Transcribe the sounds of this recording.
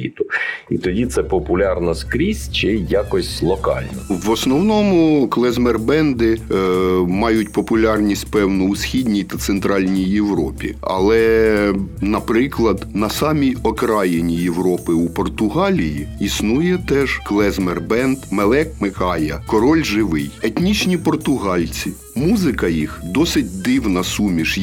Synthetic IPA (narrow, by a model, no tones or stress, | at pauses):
ḭt̪ʊit̪ɔdʲit̪sɛpɔpʊlʲɑrnɔskɾʲisʲt͡ʃɪjakɔsʲlˠɔkɑ̰lʲnɔʋɔsnɔwnɔmʊklˠɛzmɛrbɛnd̪ɪ | mɑjʊtʲpɔpʊlʲɑrnʲisʲtʲpɛwnʊːsʲxʲidʲnʲijt̪ɐt̪sent̪ɾɑlʲnʲijːewɾɔpʲḭɐ̰lˠɛ | nɐpɾɪklˠɐd̪nɐsɑmʲijɔkɾɑjenʲijewɾɔpɪupɔrt̪ʊɦɑlʲijiisnujɛt̪ɛʒ̥klˠɛzmerbɛnd̪melˠɛkmɪkɑjɐkɔɾɔlʲʒɪʋɪjet̪ʲnʲit͡ʃnʲipɔrt̪ʊɦɑlʲt͡sʲi | muzɪkɐjixd̪ɔsɪtʲd̪ɪwnɐsumʲiʃ